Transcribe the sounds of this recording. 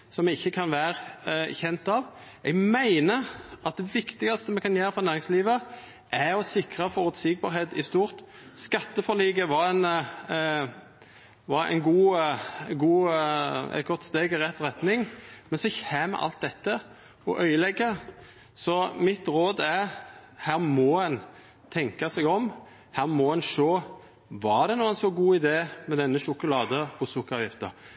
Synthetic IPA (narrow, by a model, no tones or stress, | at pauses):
sɔmɛɡɪçːəkʰɑnʋæːɾçɛnt̪ɑʋ | ɛɡmæɪnəɑt̪̚d̪ɛʋɪkt̪ɪɡɑst̪əmɛkɑnjeːɾəfʁɔnæːɾɪŋsliːʋə | ʔæɾɔsɪkʁɑfɔʁʉt̪siːɡ̚bɑ̰ːɾheːt̪ɪst̪uːʁt̪ | skɑt̪ːəfɔʁliːɡəʋɑɾɛɪn | ʋɑɾæ̰ɪnɡuː | ɡuː | ɛ̰t̪̚ɡɔt̪ːst̪eːɡɾɛt̪ːʁɛt̪nɪŋmɛnsɔçæːm̰ʔɑ̰lt̪̚d̪ɛt̪ːə | ɔʔœʏəlɛɡːə | sɔmɪt̪ɾoːd̪æhæːʁmɔɛn | t̪ʰɛŋkɑsɛɡɔm | hæːʁmɔɛnʃoː | ʋɑd̪ɛnuːənsɔɡuːɪd̪eːmɛd̪ɛnːəʃʊkʊlɑːd̪əɔsʊkʁɑjɪft̪ə̰